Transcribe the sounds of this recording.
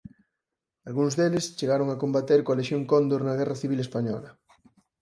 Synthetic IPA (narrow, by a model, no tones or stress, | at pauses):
alɣuŋzðelest͡ʃeɣaɾoŋakombat̪eɾkoaleʃjoŋkond̪oɾnɐɣɛraθiβilespaɲɔ̰lɐ